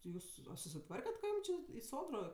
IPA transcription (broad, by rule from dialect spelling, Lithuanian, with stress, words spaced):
tʲɪ ˈjuːs ɐ sʊsʲɪˈtʋɐrʲkʲɛt kɐ ˈjuːm t͡ʃʲeː ɪ ˈsoːdroː